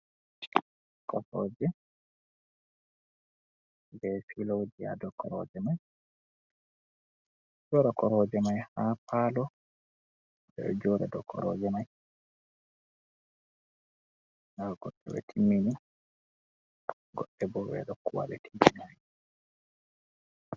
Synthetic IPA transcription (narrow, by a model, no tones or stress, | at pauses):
kɔɾɔd͡ʒɛ | bɛfilowd͡ʒia̰dɔkɔɾɔ̰d͡ʒɛmaj | d͡ʒɔɾakɔɾɔd͡ʒɛmajhapaːlɔ | bɛ̰d͡ʒɔɾɛdɔkʰɔ̰ɾɔ̰d͡ʒɛmaj | naɾɡɔɗːɛ̰wɛ̰tʰimːini | ɡɔɗːɛbɔwɛ̰ɗɔkːuwa̰ɓɛtʰimːinaj